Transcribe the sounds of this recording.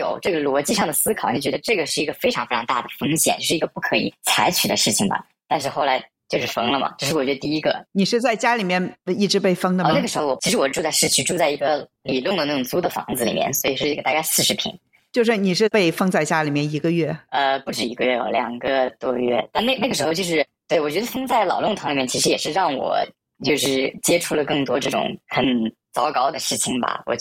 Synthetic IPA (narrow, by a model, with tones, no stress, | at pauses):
jo̰˨˩ʊʈ͡ʂɤ˥˩ɡə˩lwɔ˧˥t͡ɕi˥˧ʂɑ˥˩ŋd̪ə˩sɹ̩˥kʰɑ˨˩ʊni˧˥˩t͡ɕɥɛ˧˥d̪ə˧ʈ͡ʂɤ˥˩ɡə˩ʂɻ̩˥˩i˧˥ɡə˧fe˥ɪʈ͡ʂʰɑ˧ŋfe˥ɪʈ͡ʂʰɑ˧˥ŋt̪a˥˩d̪ə˩fɤ˥ŋɕjɛ̰˨˩nt͡ɕjo˥˧ʂ̩˥˩˧ɡə˧pu˥˩kʰɤ˧˥ḭ˨˩t͡sʰa˧˥ɪt͡ɕʰy˨˩d̪ə̰˦ʂɻ̩˥˩t͡ɕʰi˩ŋbɐ̰˩ | t̪a˥˧nʂ̬ɻ̩˥˧xo˥˩ʊla˧˥ɪ | t͡ɕjo˥˧ʂɻ̩˥˩fɤ˥ŋlə˧mɐ̰˩ʈ͡ʂɤ˥˧ʂɻ̩˥˩wɔ˨˩t͡ɕɛ˧˥ə˧t̪i˥˩i˧˥ɡə˧ni˨˩ʂɻ̩˥˧t͡sa˥˩ɪt͡ɕja˥li˨˩mjɛ˥˧ni˥˩ʈ͡ʂɻ̩˧˥pe˥˩ɪfɤ˥ŋd̪ə˧na˥˩ɡəʂɻxo˧wɔ˨˩t͡ɕʰʂɻ̩˧˥wɔ˨˩ʈ͡ʂu˥˧t͡sa˥˧ɪʂɻ̩˥˧t͡ɕʰy˥˧ʈ͡ʂu˥˧t͡sa˥˩ɪi˧˥ɡə˧ | li˨˩lʊ˥˩ŋd̪ə˩na˥˩ʈ͡ʂʊ˨˩t͡su˥d̪ə˨fɑ̰˧˥ŋd͡zɹ̩˧lḭ˨˩mjɛ̰˥˩nswɔ˧˥i˨˩ʂɻ̩˥˩i˧˥ɡə˧˩t̪a˥˧ka˥˧ɪsɹ̩˥˩ʂɻ̩˧˥pʰḭ˧˥ŋ | t͡ɕjo˥˧ʊʂ̬ɻ̩˥˩ni˨˩ʂɻ̩˥˩pe˥˩ɪfɤ˥ŋt͡sa˥˩ɪt͡ɕja˥li˨˩mjɛ˥˩ni˧˥ɡə˧ɥɛ˥˩ə˧pu˥˩ʈ͡ʂɻ̩˨˩i˧˥ɡə˧ɥɛ˥˩ɔ̰˧˩ljɑ̰˨˩ŋɡə˧t̪wɔ˥ɥɛ̰˥˧t̪a˥˧na˥˧na˥˩ɡəʂɻ̩˧˥xo˥˧ʊt͡ɕjo˥˧ʊʂɻ̩˥˧t̪wɛ˥˩ɪwɔ˨˩t͡ɕɥɛ˧˥d̪ə˧fɤ˥ŋt͡sa˥˩ɪlɑ˨˩ʊlʊ˥˩ŋt̪ʰli˨˩mjɛ˥˩nt͡ɕʰi˧˥ʂɻ̩˧˥jɛ˨˩ʂɻ̩˥˧ɻɑ˥˩ŋwɔ̰˨˩˦ | t͡ɕjo˥˧ʊʂɻ̩˥˩t͡ɕjɛ˥ʈ͡ʂʰu˥lə˨˧kɤ˥˩ŋt̪wɔ˥ʈ͡ʂɤ˥˩ʈ͡ʂʊ̰˨˧˥ŋxə˨˩˦n | t͡sɑ˧˥ʊkɑ˥˩ʊd̪ə˧ʂɻ̩˥˩t͡ɕʰi˨˩ŋbɐ̰˩wɔ̰˨˩